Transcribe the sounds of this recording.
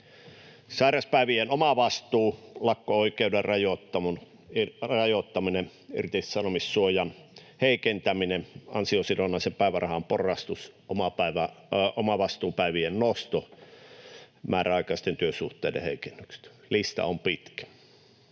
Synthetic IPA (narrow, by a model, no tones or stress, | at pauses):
sɑˑirɑspæˑiʋienomɑʋɑst̪uːlɑkːooikeuderrɑjot̪ːɑmun | rɑjot̪ːɑmine | y̰rĭt̪issɑnomissuojɑn | heikent̪æmineɑ̰nsiosilonɑˑisempæˑiʋærɑhɑmporˑɑst̪usomɑpæiʋæomɑʋɑst̪uːpæˑiʋiennost̪o | mæːræɑˑikɑˑist̪ent̪yøsuht̪ˑeidḛhḛikenːykse̥t̪ | list̪ɑ̰ompit̪kæ̥